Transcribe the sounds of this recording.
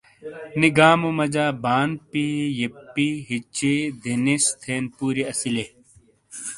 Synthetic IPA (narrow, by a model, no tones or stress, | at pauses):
niɡaːmumɐd͡ʑaːbaːnpijipːiɦit͡ɕid̪ʱinist̪ʰeːnpuːɾiɐsile